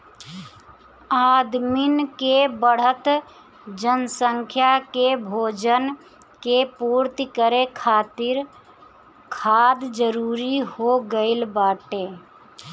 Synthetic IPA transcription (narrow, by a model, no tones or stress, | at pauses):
ad̪minkebəɽ̤ət̪ | d͡ʒənsəŋkʰjakebʱoːd͡ʒən | kepuːɾt̪ikəɾekʰaːt̪iɾ | kʰad̪d͡ʒəɾuːɾihoɡəɪlbaːʈe